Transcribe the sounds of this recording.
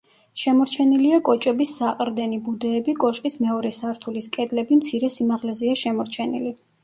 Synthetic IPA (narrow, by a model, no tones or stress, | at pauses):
ʃɛmɔɾt͡ʃʰɛniliakʼɔt͡ʃʼɛbisːaqʼɾd̪ɛnibud̪ɛːbikʼɔʃqʼismɛɔɾɛsaɾt̪ʰuliskʼɛd̪lɛbimt̪sʰiɾɛsimaʁlɛziaʃɛmɔɾt͡ʃʰɛnili